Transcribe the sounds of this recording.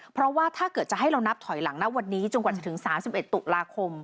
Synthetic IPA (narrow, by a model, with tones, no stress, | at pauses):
pʰɾɔ˦˥waː˥˩t̪ʰaː˥˩kɤː˨˩t̪̚t͡ɕa˨˩ɦa˥˩jɾa˧wna˦˥p̚t̪ʰɔ˩˦jla˩˦ŋna˦˥wa˧nːiː˦˥t͡ɕo˧nka˨˩t͡ɕa˨˩t̪ʰɯ˩˦ŋsaː˩˦msi˨˩pʔe˨˩t̪ːu˨˩laː˧kʰo˧m